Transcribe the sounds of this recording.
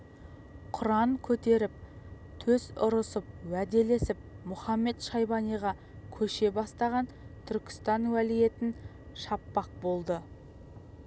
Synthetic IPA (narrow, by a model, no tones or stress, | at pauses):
qʰʊɾɑɴkʲʰɵt̪e̞ɾɪp̚ | t̪ʰɵzʊɾəsəp̚wæd̪e̞le̞sɪp̚mʊχɑmːe̞t̪ʃɑjbɑnijʁɑ | kʲʰɵʃe̞bɑst̪ɑʁɑn | t̪ʰʏɾkʲɪ̥st̪ɑnwælije̞t̪ɪn | ʃɑpːɑq̚bo̞lˠd̪ə